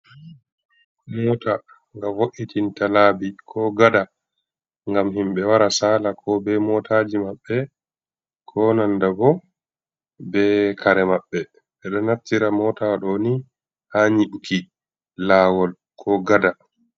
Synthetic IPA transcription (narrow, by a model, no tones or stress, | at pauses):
mɔːta | ŋɡavoʔitʰintalaːbikʰɔɡada | ŋɡamhimɓɛwaɾasaːlakʰɔbɛmɔtʰad͡ʒimaɓːɛ | kʰɔnandabɔ | bɛkʰaɾɛmaɓːɛ | ɓɛɗɔnaftiɾamɔːtawaɗɔni | haɲiɓukʰi | laːwɔl | kʰɔɡada